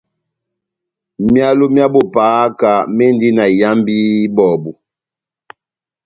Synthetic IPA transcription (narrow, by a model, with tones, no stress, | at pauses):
mja˦lu˦mja˦bo˦˨paː˨˦ka˨me˦n˦di˦na˨ja˦mbi˦bɔ˨bu˨